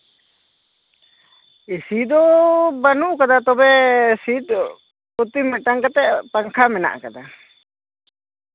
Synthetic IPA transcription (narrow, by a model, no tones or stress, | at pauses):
isid̪ɔbanuʔkad̪at̪ɔbɛsit̪ | ut̪imɛʈaŋkat̪ɛʔpaŋkʰamɛna̰ʔkad̪a